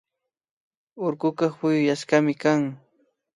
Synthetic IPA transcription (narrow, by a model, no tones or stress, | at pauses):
ʊɾkʊkɑpʊjʊjaskamɪkaŋ